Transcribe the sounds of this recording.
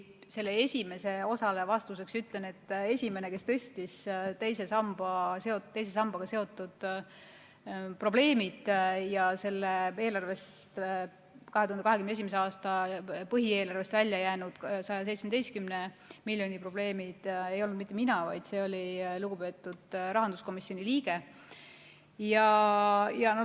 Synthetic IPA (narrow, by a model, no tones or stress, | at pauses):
se̞lːeesʲime̞se̞o̞sɑle̞vɑst̪use̞ksyt̪ˑlene̞t̪ːe̞sʲime̞neke̞st̪ɤ̞sʲt̪ist̪e̞jse̞sɑmb̥ɑse̞o̞t̪e̞jsesɑmb̥ɑɡ̥ɑse̞o̞t̪ːˑud̪̥ | pro̞b̥le̞ːmid̪̥jɑse̞lːee̞ːlɑrve̞st̪ | kɑɦet̪uhɑneɑɦe̞kymneeimes̬eɑːst̪ɑpɤɦie̞ːlɑrve̞st̪vælʲjɑjæːnud̪̥sɑjɑse̞jt̪smed̪e̞jst̪̚kymne | milʲjo̞nʲipro̞b̥le̞ːmid̪̥ejo̞lnud̪mit̪ːe̞minɑvɑjd̪̥se̞ːo̞lʲiluɡ̥upe̞t̪ːˑud̪̥rɑɦɑnd̪̥usko̞misːjonʲiliːɡ̥e̞ | jɑ | jɑn